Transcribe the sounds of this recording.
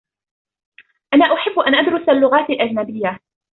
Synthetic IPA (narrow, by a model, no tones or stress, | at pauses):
ʔanaːʔʊħɪbːʔanʔad̪ɾʊsalːʊɣaːt̪alʔad͡ʒnabɪjːa